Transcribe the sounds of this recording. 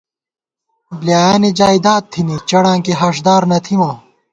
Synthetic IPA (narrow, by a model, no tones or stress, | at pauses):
bljaːjaːnid͡ʑaːid̪aːt̪ʰːinit͡ɕɐɽãːkiɦɐʂd̪aːɾnɐt̪ʰimãː